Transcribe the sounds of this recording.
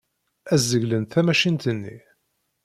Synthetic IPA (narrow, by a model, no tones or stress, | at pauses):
æzːəʝlənθæmæʃint̪ənːḭ